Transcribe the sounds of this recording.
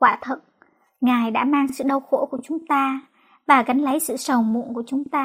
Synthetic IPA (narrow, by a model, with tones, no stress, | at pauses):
kwaː˧˩t̪ʰə̰˨˩t̚ | ŋaː˨˩jɗa̰ː˧˥maː˧ŋsɨ̰˧˨ɗə˧wxo˧˥˩ku˧˩ət͡ɕʊ˨˦ŋ͡mt̪aː˧ | vaː˨˩ɣa˨˦jŋ̟lə˨˦jsɨ̰˧˨sə˨˩wmṵ˧˨nku˧˩ət͡ɕʊ˨˦ŋ͡mt̪aː˧